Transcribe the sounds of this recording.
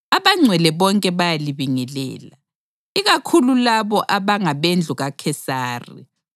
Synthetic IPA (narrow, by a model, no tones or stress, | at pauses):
aβaŋ͡ǀʱwɛlɛβɔŋkʼɛβajaliβiŋɛlɛ̰ːla | iɣakʰululaβɔʔaβaŋaβend͡ɮʱuɣakʰɛsaːrḭ